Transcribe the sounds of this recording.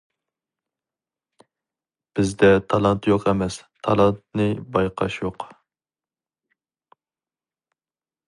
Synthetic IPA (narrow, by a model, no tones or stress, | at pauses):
b̥ɪzd̪ɛt̪ʰɑlˠɑnt̪joqʰɛmɛst̪ʰɑlˠɑnt̪̚nɨbɑjqʰɑ̰ʃjoq